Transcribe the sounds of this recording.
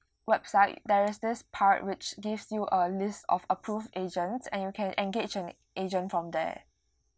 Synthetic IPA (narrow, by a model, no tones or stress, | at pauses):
wɛbsaɪtdɛɹɪsdɪspʰatwɪt͡ʃɡɪfsjuʔəlɪstɔ̰fəpʰɹufed͡ʒə̃nsɛ̰̃njukʰɛ̃nʔɛ̃nɡed͡ʒɛ̃n | ʔed͡ʒə̃ntfɹɔ̃mdɛ̰